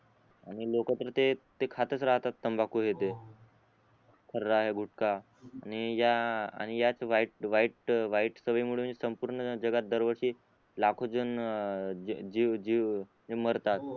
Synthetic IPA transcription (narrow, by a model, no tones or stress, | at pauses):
aɽ̃ilokat̪ɾət̪et̪ekʰat̪ət͡sɾaɦt̪at̪ːəmbakuɦet̪e | kʰəɾːaːɦeɡʱuʈkaː | ɽ̃ijaa̰ɽ̃ijat͡sʋaiʈʋaiʈʋaiʈsəʋəjmuɭemənd͡zesəmpuɾɳəd͡zəɡat̪̚d̪əɾʋəɾʂiː | lakʰod͡zən | d͡ʑid͡ʑiʋ | eməɾt̪at̪̚